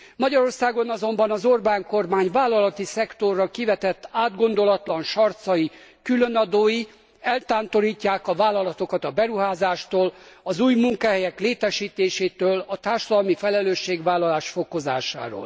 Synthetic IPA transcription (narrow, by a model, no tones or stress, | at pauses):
mɒɟɒɾo̞rsaːɡo̞nɒzo̞mbɒnɒzorbaːŋko̞rmaːɲvaːlːɒlɒt̪isɛkt̪o̞rːɒkivɛt̪ɛt̪ːaːd̪ɡo̞nd̪o̞lɒt̪lɒnʃɒrt̪sɒjikylønɒd̪oːji | ɛlt̪aːnt̪o̞ɾiːcːaːkɒvaːlːɒlɒt̪o̞kɒt̪ɒbɛɾuɦaːzaːʃt̪oːlɒzuːjmuŋkɒɦɛjɛkleːt̪ɛʃiːt̪eːʃeːt̪øːlɒt̪aːrʃɒd̪ɒlmifɛlɛløːʃːeːɡʋaːlːɒlaːʃfo̞ko̞za̰ːʃa̰ːɾo̰ːl